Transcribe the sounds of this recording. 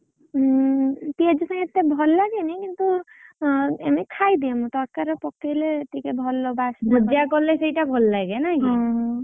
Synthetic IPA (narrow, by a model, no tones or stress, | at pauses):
pied͡ʒɔsãŋɡet̪ːebʱɔlːaɡenikint̪u | emekʰajd̪iemũt̪ɔɾkaɾɔpɔkelet̪ikebʱɔlːɔbasdbʱɔd͡ʒakɔlːesejʈabʱɔlːaɡenakĩ